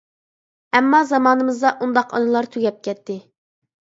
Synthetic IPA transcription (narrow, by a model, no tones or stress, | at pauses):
ɛmːɑzɑmɑːnɨmɨzd̪ɑʔund̪ɑqʰɑ̰nɨlˠɑɾt̪ʰyɡʲɛp̚kʲɛt̪ʰːɪ